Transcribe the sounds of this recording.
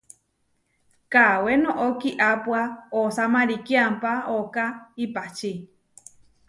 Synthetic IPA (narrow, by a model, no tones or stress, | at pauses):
kawenõʔokiʔapwaosamãɾikiampaokaipat͡ʃi